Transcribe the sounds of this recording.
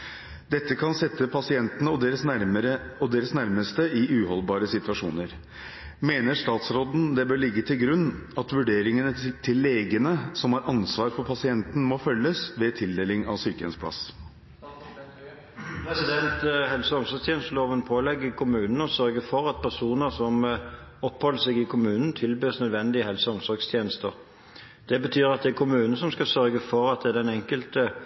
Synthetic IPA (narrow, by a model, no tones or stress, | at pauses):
d̪ɛt̪ːəkʰɑnsɛt̪ːəpʰɑsɪɛnt̪ənəɔd̪eːɾəsəɾə | ɔd̪eːɾəsnæɾməst̪əɪʉːhɔlbɑːɾəsɪt̪ʉʋɑʂṵːnəɾ | meːnəʂt̪ɑːt̪sɾoːd̪n̩d̪ɛbøːɭɪɡːət̪ʰɪlɡɾʉnːɑt̪ʋʉɖeːɾɪŋənət̪ʰɪlːeːɡənəsɔmhɑɾʔɑnsʋɑːɾfɔɾpʰɑsɪɛnt̪n̩mɔfœlːəsʋɛt̪ʰɪld̪eːlɪŋɑ̰ʋsyːkəɛ̰nspʰlɑ̰s | pʰɾɛsɪd̪ɛnt̪ɦɛlsəɔmsɔɾst̪ʰjeːnəst̪əloːʋənpʰoːlɛɡːəkʰʊmʉːnn̩ɔsœɾɡəfɔʁɑt̪̚pʰæʁsuːnəsɔmɔphɔlːəsɛɡɪkʰʊmʉːnn̩t̪ʰɪlbøːsnœd̪ʋɛnd̪ɪəhɛlsəɔmsɔɾɡst̪ʰjeːnəst̪əʁ | d̪̥ɛbət̪ʰyːɾɑt̪̚d̪ɛɛkʰʊmʉːnnəsɔmskɑsœɾɡəfɔʁɑt̪̚d̪ɛæd̪ɛnɛŋkəlt̪ə